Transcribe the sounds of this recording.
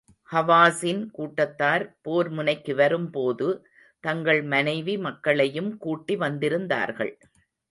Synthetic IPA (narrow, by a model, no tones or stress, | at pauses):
hɐʋaːsɪnkuːʈːɐt̪ːaːɾpoːɾmʊnɐɪkːɯʋɐɾɯmpoːðɯ | t̪ɐŋɡɐɭmɐnɐɪʋimɐkːɐɭɐjɯmkuːʈːiʋɐnd̪ɪɾɯnd̪a̰ːɾɣɐ̰ɭ